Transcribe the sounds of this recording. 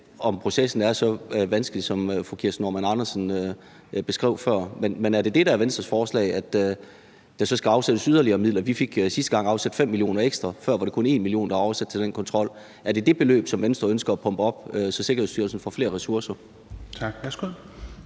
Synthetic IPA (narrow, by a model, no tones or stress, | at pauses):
ɒ̽mpʰʁo̝sesn̩æɐsɒ̽ʋænsɡ̥əli̥sɒ̽møfɔkʰiɐsno̰mænɑ̈nɐsn̩ø | b̥e̝sɡ̥ʁɛ̰ʊ̰fɶɐ̰menmenæɐd̥e̝d̥e̝ɾ̥ææɐʋensd̥ʁɐsfɒːslɛ̰ɪæd̥ | d̥ɑ̈sɒ̽sɡ̥æɑ̈ʊsed̥əsyð̞ˠɐliɐːmið̰ˠlɐʋife̝ɡ̥sisd̥əɡ̥ɑ̈ŋ̰ɑ̈ʊsæd̥fem̰mːilio̝̰ːnɐeɡ̥sd̥ʁɐfɶɐ̰ʋɑ̈ɾ̥e̝kʰɔ̽ne̝̰ːnmilio̝̰ːnd̥ɑɒʊɐsæd̥̚t͡sʰe̝ld̥enkʰɒ̽nt͡sʰʁɒ̽l̰ | æɐd̥e̝d̥e̝b̥e̝lø̰ːb̥sɒ̽mʋensd̥ʁɐønsɡ̥ɐæpʰɒ̽mb̥əɒ̽b̥øsɒ̽se̝ɡɐheðˠsd̥yːɐlsn̩fɒ̽fle̝̰ːɐʁɛsuɐsɐ | ɑɡ̥ʋæsɡ̥u